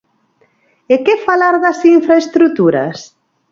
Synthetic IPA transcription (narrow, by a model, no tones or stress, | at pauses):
ekefalaɾðɐsiɱfɾaest̪ɾut̪uɾɐ̰s